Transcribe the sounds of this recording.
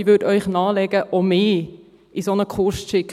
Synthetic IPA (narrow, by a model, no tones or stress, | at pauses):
ʋødœʏχnɑːlɛɡ̥əʔɔmɪː | ʔisonəkχʊʃtʃɪk